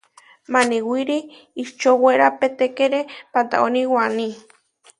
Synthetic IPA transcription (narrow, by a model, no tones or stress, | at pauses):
maniwiɾiː | t͡ʃoweɾapet̪ekeɾepant̪a̰oniwanĩ